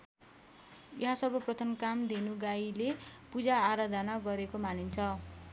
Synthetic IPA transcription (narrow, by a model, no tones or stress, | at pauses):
jʌɦasʌbʌprʌt̪ʰʌnkamd̪inuɡailepud͡zaːɾad̪ʱʌnaɡʌɾekomanint͡sʰʌ